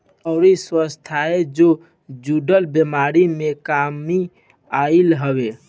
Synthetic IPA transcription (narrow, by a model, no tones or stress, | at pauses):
ɔʊɾiswəst̪ʰaed͡ʒo | d͡ʒuɖəlbemaɾimekami | aɪlɦəbe